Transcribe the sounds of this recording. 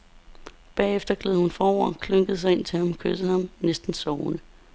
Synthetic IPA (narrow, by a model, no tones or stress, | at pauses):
b̥ɛ̰ːefd̥ɐɡ̥leðˠhunfɒːɐ̰kʰløŋɡ̥əð̞̩ˠs̬ɑɪe̝n̰t͡sʰe̝hæmkʰøs̩ˠhɑ̈mnesd̥n̩sɒʊnə